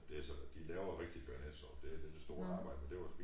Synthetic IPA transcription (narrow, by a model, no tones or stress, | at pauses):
d̥e̝æsɒd̥ilɛːʊðɐʁeɡ̥̚d̥ib̥æɐned̥sɒd̥e̝d̥ed̥esd̥o̝ːɐɑ̈ːb̥ɑ̈ɪ̰dəmend̥e̝ʋɑ̈sfe